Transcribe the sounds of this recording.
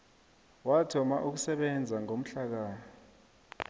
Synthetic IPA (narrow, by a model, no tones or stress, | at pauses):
watʰɔmaʔuk̬usɛɓɛnd͡zʱaŋom̩ɬak̬aː